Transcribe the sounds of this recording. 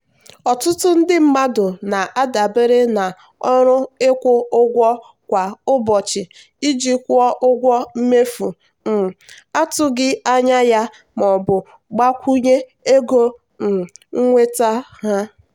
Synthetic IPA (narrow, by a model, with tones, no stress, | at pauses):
ɔ˨tʊ˦tʊ˦n̩˦dɪ˦m̩˦ma˦dʊ˨na˨ʔa˦da˨be˦ɾɪ˦na˨ | ɔ˦ɾʊ˦ɪ˦kʷʊ˦ʊ˦ɡʷɔ˦ | kʷa˨ʊ˦bɔ˨t͡ʃɪ˨ | i˦d͡ʒi˦kʷɔ˦ʔʊ˦ɡʷɔ˦m̩˦me˦fu˨ | m̩˨ | a˦tʊ˦ɡɪ˦a˦ɲa˦ja˦ | mɔ˨bʊ˨ | ɡ͡ba˦kʷu˦ɲe˦e˦ɡo˦ | n̩˨ŋ̩˦ŋʷe˦ta˦ha˦